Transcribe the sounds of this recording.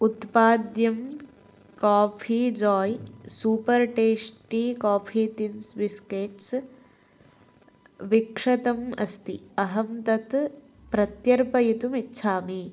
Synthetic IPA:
ut̪paːd̪jɐm | kaːpʰiːd͡ʒɔːjsuːpɐɾʈeːsʈikaːpʰiːt̪insbiskeːʈs | ʋikʂɐt̪ɐmɐ̰st̪iɐɦɐmt̪ɐt̪ | pɾɐt̪jɐɾpɐjit̪umitːʃʰaːmi

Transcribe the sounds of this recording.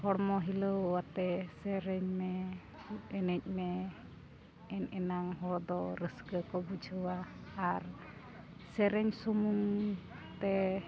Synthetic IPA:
hɔɽmɔɦiləwat̪ɛsɛɾɛɲmɛ | uɛnɛc̚ˀmɛ | ɛnɛnaŋɦɔɽd̪ɔɾəsɡəkɔbud͡ʒʱəwaːɾ | sɛɾɛɲsumuŋt̪ɛ

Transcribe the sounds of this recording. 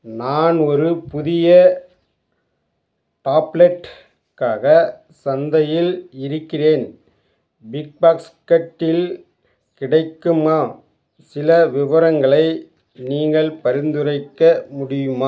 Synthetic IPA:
naːnɔɾɯpʊðɪjɐ | ʈaːplɛʈː | kaːɣɐ | sɐnd̪ɐjɪlɪɾɯkːɪreːn | bɪk̚baːks | kɐʈːɪl | kɪɽɐɪkːɯmaː | sɪlɐʋɪʋɐɾɐŋɡɐɭɐɪ | niːŋɡɐɭpɐɾɪnd̪ɯrɐɪkːɐmʊɽɪjɯmaː

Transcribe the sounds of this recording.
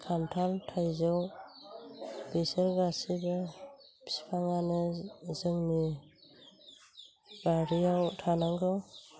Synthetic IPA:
kʰantʰaltʰajzaw | b̥isəɾɡasibab̥i̥spʰaŋanɯzɯŋni | baɾijawtʰanaŋɡɯw

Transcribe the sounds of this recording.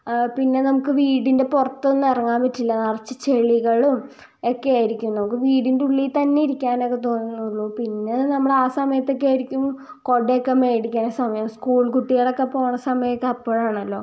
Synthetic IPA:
pinːe̞nɐmukːɨʋiːɽinde̞purɐt̪ːonːɨɐrɐŋːaːmpɐtːilːɐnɐrɐt͡ɕːɨ̥t͡ɕeɭiɣɐɭum | okːeajiɾikʲːumnɐmukːɨʋiːɽinduɭːit̪ɐnːeiɾikʲːaːno̞kːe̞t̪o̞ːnːunːuɭːupinːenɐmːuɭaːsɐmɐjɐt̪ːo̞kːeajɾikʲːum | ko̞ɖeokːemeːɽikʲːaːnsɐmɐjɐmskuːɭkuʈːijɐɽɐkːepːo̞ːɳɐsɐmɐjɐkːɐpːoːɻaːɳɐlːo̞ː

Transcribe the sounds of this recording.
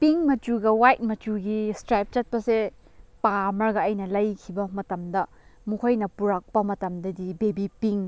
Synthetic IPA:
piŋmɐtuɡɐwajt̚mɐtuɡistɾajp̚t͡ʃɐt̚pɐse | pamɐɾɡɐɐjnɐlɐjkʰibɐmɐtɐmdɐ | mukʰojnɐpuɾɐk̚pɐmɐtɐmdɐdibebipiŋ

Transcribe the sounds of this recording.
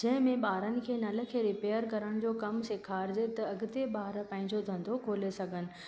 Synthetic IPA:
d͡ʑɐ̃ɦɪ̃mẽɓaːɾənɪ̆kʰeːnɐlə̆kʰeːɾɪpeːəɾkɐɾəɽ̃d͡ʑoːkɐmsekʰaːɾd͡ʑet̪ɐɐɡt̪eɓaːɾpɐ̃ɦɪ̃ɲd͡ʑod̪ʱɐ̃nd̪okʰoːlesɐɡʱənɪ̆

